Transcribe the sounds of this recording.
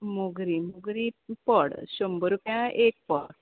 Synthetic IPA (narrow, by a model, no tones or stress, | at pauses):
muɡɾimuɡɾipəɽɕombəɾukjãʔek̚pəɽ